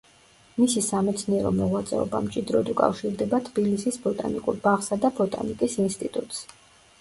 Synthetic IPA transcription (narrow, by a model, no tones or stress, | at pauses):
misisamɛt̪sʰniɛɾɔmɔʁwat̪sʼɛ̰ɔ̰ba̰mt͡ʃʼid̪ɾɔd̪ukʼa̰fʃiɾd̪ɛbat̪ʰbilisisbɔt̪ʼa̰nikʼuɾbaʁsad̪abɔt̪ʼa̰nikʼisinst̪ʼit̪ʼut̪ʼs